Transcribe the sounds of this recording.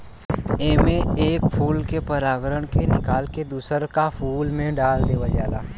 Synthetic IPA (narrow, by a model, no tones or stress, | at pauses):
eːmeeːkpʰuːlkepəɾaːɡɾəɽ̃kenɪkaːlked̪uːsəɾkapʰuːlmẽɖaːld̪eʋad͡ʒaːlaː